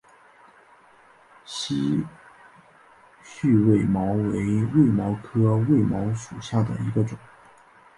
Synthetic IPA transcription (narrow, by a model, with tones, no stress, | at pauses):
ɕi˧˨˥ | ɕy˥˧we˥˩ɪmɑ˧˥ʊwe˧˥ɪwe˥˩ɪmɑ˧˥ʊkʰɤ˥we˥˩ɪmɑ˧˥ʊʂu˨˩ɕja˥˩d̪ə̰˩i˧˥ɡə˧ʈ͡ʂʊ˨˩˦ŋ